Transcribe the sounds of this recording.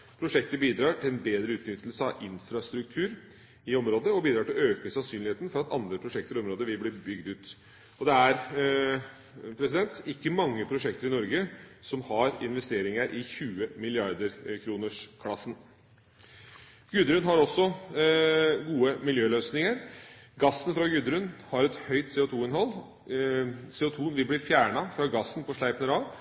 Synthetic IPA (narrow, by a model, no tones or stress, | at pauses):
pʰɾʊʂɛk̚t̪əbiːd̪ɾɑːʈʰɪlɛnbeːd̪ɾəʉːt̪nʏt̪ːəl̩səɑ̰ʔɪnfɾɑst̪ɾʉkt̪ʰʉːɾ | ɪɔmɾoːd̪əɔbiːd̪ɾɑːʈɪløːkəsɑnsyːnlɪheːt̪n̩fɔɾɑt̪ɑ̰nd̪ɾəpʰɾʊʂɛkt̪əɾɔmɾoːd̪əʋɪlbliːbʏɡd̪ʉːt̪ | ɔd̪ɛæɾ | pʰɾɛsɪd̪ɛnt̪ɪkːəmɑŋːəpʰɾʊʂɛkt̪əɾɪnɔɾɡəsɔmhɑɾɪnʋɛst̪eːɾɪŋəɾʔɪçʉːəmɪlɪɑɾd̪əɾkʰɾuːnəʂkʰlɑsːn | ɡ̥ʉd̪əɾʉnɦɑɾɔsːɔ | ɡuːəmɪljøːløːsnɪŋəɾɡɑsːənfɾɑɡʉd̪əɾʉnhɑɾɛt̪hœʏt̪seːʊt̪ʰuːɪnɦɔlː | seːʊt̪ʰuːʋɪlblɪːɾfjæːɳɑfɾɑɡɑsːənpʰɔʂɭæɪpənəɾɑːʋ